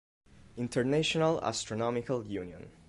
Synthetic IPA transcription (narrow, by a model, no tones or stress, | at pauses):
ɪ̃ntʰəɹnaʃɔnala̰stɹɔnɔmɪkaljuniə̰̃n